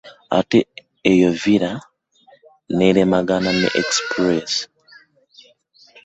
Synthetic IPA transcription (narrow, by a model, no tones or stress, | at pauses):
a̰teː | joviɾa | neɾemaɡananḛʔekspɾes